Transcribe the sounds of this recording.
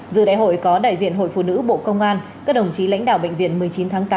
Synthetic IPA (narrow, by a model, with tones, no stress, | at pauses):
zɨ̰˧˨ɗa̰ː˧˨jɦo̰˧˨jkɔ˨˦ɗa̰ː˧˨jzḭ˧˨ənɦo̰˧˨jfṵ˧˨nɨ̰˧˥ɓo̰˧˨kə˧wŋ͡mʔaː˧nkaː˦˥k̚ɗə˨˩wŋ͡mt͡ɕi˨˦la̰˧˥jŋ̟ɗa̰ː˧˨wɓə̰˧˨ŋ̟vḭ˧˨ənmɨ˨˩əjt͡ɕi˨˦nt̪ʰaː˨˦ŋt̪aː˨˦